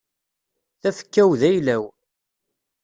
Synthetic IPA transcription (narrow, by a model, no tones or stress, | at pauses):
θæfə̥kːæwðæjlæw